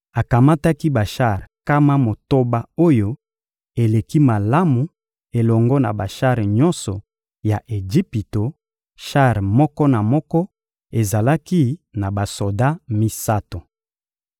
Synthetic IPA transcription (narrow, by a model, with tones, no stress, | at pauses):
a˨ka˨ma˦ta˦ki˦ba˨ʃa˦˨ʁka˦ma˦mo˨to˦ba˦o˦jo˦ | e˨le˨ki˦ma˨la˦mu˨ | e˨lɔ˨ŋɡɔ˦na̰˨ba˨ʃa˦ʁɲɔ˦nsɔ˨ | ja˨ʔe˨d͡ʒi˦pi˨to˨ | ʃa˦˨ʁmɔ˦kɔ˦na˨mɔ˦kɔ˦ | e˨za˨la˦ki˦na˨ba˨so˨da˦mi˦sa˦to˨